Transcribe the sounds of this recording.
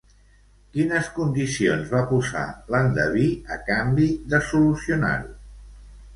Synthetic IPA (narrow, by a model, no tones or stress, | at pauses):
kinəskund̪isionzβapuza̰land̪əβiəkambiðəsulusiuna̰ɾu